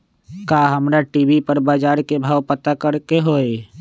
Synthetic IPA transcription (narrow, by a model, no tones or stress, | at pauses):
kaːɦəmɾaʈiːbipəɾbaːd͡ʒaːɾkebʱaːʋpət̪akəɾkeɦoːe